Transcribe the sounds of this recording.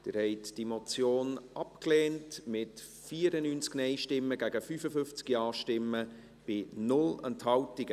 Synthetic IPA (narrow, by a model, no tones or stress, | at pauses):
d̥ɪɾhɛɪtd̥imɔt͡sjoːnʔɑpkleːntmɪt | fiːəɾənyːnt͡sknɛɪʃtɪmːəɡæɡəfyːfəfʏft͡skiɑːʃtɪmːə | b̥ɪnʊlɛnthɑltɪɡə